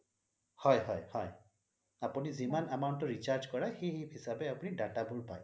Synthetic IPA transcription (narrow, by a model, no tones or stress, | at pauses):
hɔjɦɔjhɔj | apunizimanamaʊntɔɹit͡ʃaɹzkɔɹaxejɦiphisabɛapunidatabulpa̰j